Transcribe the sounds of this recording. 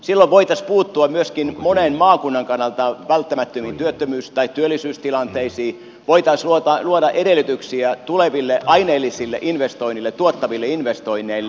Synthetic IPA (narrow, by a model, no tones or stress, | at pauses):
silːoʋʋoit̪ɑspuːt̪ːuɑmyøskinmonenmɑːkunːɑŋkɑnːɑlt̪ɑʋælt̪ːæmæt̪ːømint̪yøt̪ːømyːst̪ɑit̪t̪yølːˑisyːst̪ilɑnt̪eisiː | ʋoit̪ɑsluot̪ɑluoɾɑʔedelːˑyt̪yksiæt̪uleʋilːeʔɑineːlːisilːḛʔinʋest̪oinilːett̪uot̪ːɑʋilːeinʋest̪oinːˑeilːe